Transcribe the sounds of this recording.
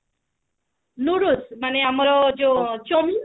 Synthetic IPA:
nuɾusmaneamɔɾɔd͡ʒot͡ʃomi

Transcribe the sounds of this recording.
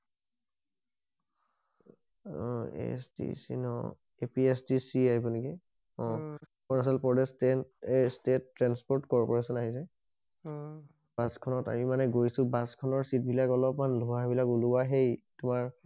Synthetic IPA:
ḛsdḭsḭnɔ̰ | epiesdisiaɦibɔnikɛ | ɔ̃ | kɔnas̬ɔlpɔdɛstɛnestetːɹanspɔɹtkɔɹpɔɹasɔnaɦis̬ɛ | b̥askʰɔnɔta̰mimanɛɡojsʊ̃baskʰɔnɔɹsit̚bʱilakɔlɔpmanlɔwaɦbilakuluwaɦejtʊmaɹ

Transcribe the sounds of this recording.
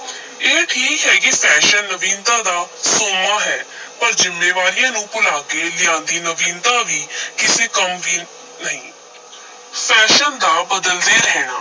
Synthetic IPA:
eːʈʰiːkɦɛːkipʰɛːʃənːəʋĩːnd̪ãːd̪aːsoːmaːɦɛːpəɾd͡ʒɪmːeːʋaːɾijãːnũːpʊlaːkeːlɪãːnd̪iːnəʋĩːnd̪ãːʋiːkɪseːkəmʋiː | nəɦĩː | pʰɛːʃənd̪aːbəd̪əld̪eːɾɛɦɛːnaː

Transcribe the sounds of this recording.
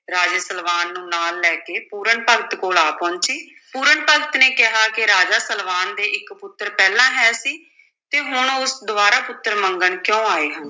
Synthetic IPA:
ɾaːd͡ʒeːsəlʋaːnːũːnaːlːɛːkeːpuːɾəɳpəɡt̪koːlaːpɔ̃ːɲt͡ʃiː | puːɾəɳpəɡt̪neːkɪɦaːkɪɾaːd͡ʒaːsəlʋaːnd̪eːʔɪkpʊt̪ːəɾpɛːlãːɦɛːsiː | t̪eːɦʊɳʊsd̪ʊaːɾaːpʊt̪ːəɾməŋɡəɳkjõːaːeːɦən

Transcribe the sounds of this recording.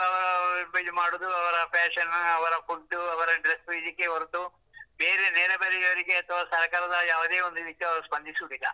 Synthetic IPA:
ɐʋɐɾɐbɐd̪umaːɽud̪uɐʋɐɾɐpɛːʂɐnɐʋɐɾɐpult̪uɐʋɐɾɐɖɾesʋiid̪ikːeʋɐɾut̪u | beːɾenɛːɾɐbɐɾijɐʋɐɾiɡeɐt̪ʰɐʋaːsɐɾkaːɾɐd̪ɐjaːʋud̪e̞ːond̪uid̪ikːeɐʋɐɾuspɐnd̪isuɽilːɐ̰

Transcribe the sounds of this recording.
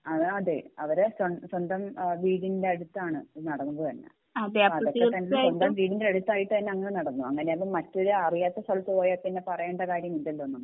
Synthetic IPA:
ɐðɐðḛɐʋɐɾesɐnswɐnd̪ɐmʋiːɽinindeɐɽut̪ːaːɳɨnɐɽɐnːumbot̪ɐnːḛ | ɐðeɐɐðokːet̪ɐnsond̪ɐmʋiːɽindeɐɽut̪ːaːjiʈːɨt̪ɐnːeɐŋːɐnenɐɽɐnːuɐŋːɐne̞ɐʋɐmɐtːo̞ɾuɐrijaːt̪ːɐst̪ʰɐɭt̪ːpoːjapinːepɐrɐjeːɳɖɐkaːɾjɐmind̪ɐlːonːum

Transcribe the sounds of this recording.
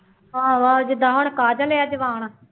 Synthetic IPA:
aːʋaːd͡ʒɪd̪ãːɦʊɳkaːd͡ʒalejaːd͡ʒəʋaːɳ̃a

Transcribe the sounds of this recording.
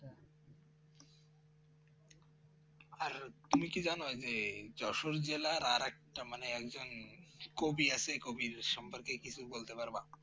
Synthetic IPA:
aɾt̪umikid͡ʑanod͡ʑed͡ʑɔʃoɾd͡ʑelaɾaɾɛk̚ʈamaneɛkd͡ʑonkobiat͡ɕʰekobiɾʃɔmpoɾkekit͡ɕʰubolt̪epaɾba

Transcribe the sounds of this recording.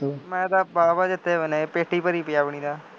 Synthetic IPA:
mɛ̃ːd̪aːbaːbaːd͡ʒɪt̪ʰːeːʋəneːpeːʈiːpəɾiːpɪjaːpəɳ̃iːd̪aː

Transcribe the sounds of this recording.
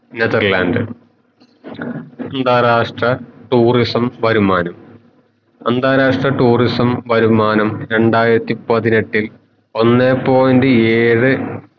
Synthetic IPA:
neðɐrlaːndɨ | ɐnd̪ʱaːɾaːʂʈrɐʈuːrisɐmʋɐɾumaːnɐm | ɐnd̪ʱaːɾaːʂʈrɐʈuːrisɐmʋɐɾumaːnɐmɾe̞ɳɖaːjiɾɐt̪ːipɐðine̞ʈːil | o̞nːepːo̞ːjundeeːɻɨ

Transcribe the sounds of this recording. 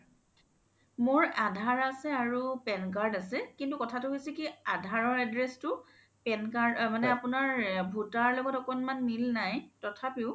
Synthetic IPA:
moɹadʱaɹasɛaɹupɛnkaɹdasɛkintukɔtʰatʊɦojsɛkiadʱaɹɔɹadɹɛstʊ | pɛnkaɹdmanɛapʊnaɹbʱutaɹlɔɡɔtɔkɔnmanmilnajtɔtʰapiʊ

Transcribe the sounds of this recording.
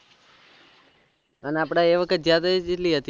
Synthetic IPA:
ənapɽ̃aeʋəkʰət̪̚d͡ʒjad̪ad͡ʒeʈliɦət̪i

